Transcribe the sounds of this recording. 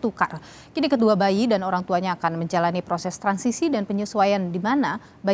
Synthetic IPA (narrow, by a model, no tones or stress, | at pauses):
t̪uka̰r | kinikəd̪uabaidanoɾaŋt̪uaɲaːkanməɲd͡ʒalanipɾosɛst̪ɾansisidanpəɲusuajandimana | ba